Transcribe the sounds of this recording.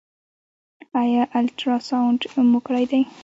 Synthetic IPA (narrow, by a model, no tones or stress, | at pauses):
ajɑʔalʈɾɑsawɳɖmʊkɽajd̪aj